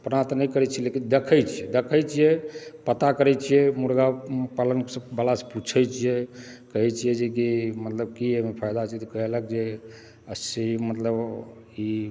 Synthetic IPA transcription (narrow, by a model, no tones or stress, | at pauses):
pnat̪ɔnɛjkəɾɛt͡ʃʰɛlekind̪ekʰəjt͡ʃʰijɛd̪ekʰəjt͡ʃʰijɛpət̪akəɾɛt͡ʃʰijɛmuɾɡapalənksəbəlase̥put͡ʃʰəjt͡ʃʰijekəɦɛt͡ʃʰijɛd͡ʒekimət̪ləb̚kiemepʰajd̪at͡ʃʰɛt̪ɔkəɦelakd͡ʒe | əsimət̪ləb | i